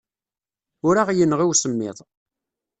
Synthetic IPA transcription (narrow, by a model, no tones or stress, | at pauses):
ʊɾaʁjənːʁiwsəmːɪ̰ðˤ